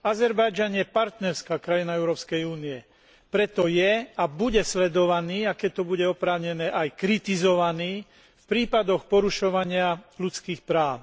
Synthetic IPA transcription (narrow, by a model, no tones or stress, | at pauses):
azɛɾbajd͡ʒanjɛpaɾt̪nɛɾskaːkɾajinaɛʊɾɔːpskɛjuːniɛ | pɾɛt̪ɔjɛabuɟɛslɛd̪ɔʋaniːakɛct̪ɔbuɟɛɔpɾaːʊɲɛnɛːʔajkɾit̪izɔʋaniː | fpɾiːpad̪ɔxpɔɾuʃɔʋaɲɪalut͡skiːxpɾaːʊ